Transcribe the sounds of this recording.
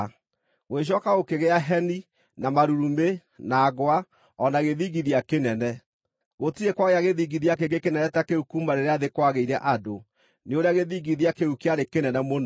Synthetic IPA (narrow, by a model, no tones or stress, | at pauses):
weɕ̬ɔkaɣokeɣeaɦɛni | namaɾuɾume | naːɡoa | ɔnaɣeðiɡiðiakenɛnɛ | ɣotiekwaɣeaɣeðiɡiðiakeɡekenɛnɛtakeukumaɾeɾeaðekwaɣeiɾɛʔado | neoɾeaɣeðiːɡiðjakeukeaɾekenɛnɛmon